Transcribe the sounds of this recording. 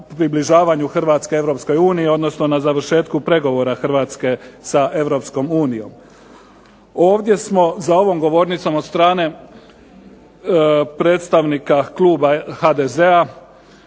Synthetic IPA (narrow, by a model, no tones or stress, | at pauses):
pɾibliʒaːʋaɲuxr̩ʋat̪ske̞e̞ʋɾo̞psko̞juːniio̞d̪no̞sno̞nazaʋər̩ɾʃe̞ːt̪kupɾe̞ɡo̞ʋo̞ɾaxr̩ʋaːt̪ske̞saʔe̞ʋɾo̞psko̞muːnijo̞̰m | o̞ːʋd̪je̞smo̞zao̞ʋo̞mɡo̞ʋo̞ɾnit̪so̞mot̪st̪ɾaːne̞ | pɾe̞ːt̪st̪aʋnikaklˠuːbahad̪ezea